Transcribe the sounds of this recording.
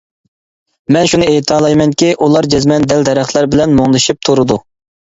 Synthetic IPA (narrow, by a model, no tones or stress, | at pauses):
mɛnʃunɨeːt̪ʰɑːlˠɑjmɛŋkʲiʔulˠɑɾd͡ʒɛzmɛnd̪ɛld̪ɛɾæχʰlˠɛɾbɪlɛnmoŋlɨʃip̚t̪ʰuɾɨd̪u